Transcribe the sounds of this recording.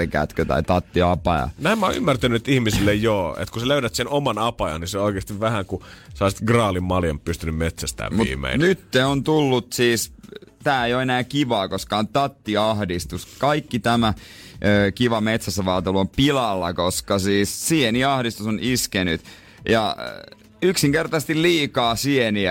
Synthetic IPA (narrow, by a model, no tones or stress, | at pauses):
ekæ̰t̪køt̪ɑ̰it̪ɑt̪ːiɑpɑjɑ̰næimːæo̰y̰mːært̪ænyt̪ihmisilːejjoːḛt̪kuseløyɾæt̪senomɑnɑpɑjɑ̰nniseooikeːst̪iʋʋæhæŋkusɑisi̥t̪ɡrɑːlimmɑljɑmppyst̪ynymmet̪sæst̪æ̰ːʋmut̪ːmḛḭnnyt̪ːeont̪ulːut̪siːst̪æːejoenæːkiʋɑːkoskɑːnt̪ɑt̪ːiɑhdist̪uskɑikːit̪æmæ | ʔøːkiʋɑmet̪sæsːæʋɑːt̪eluompilɑlːɑkoskɑsiːssieniɑhdist̪usoniskeny̰t̪ | jɑ̰ | yksiŋkert̪ɑsest̪illiːkɑːsieniæ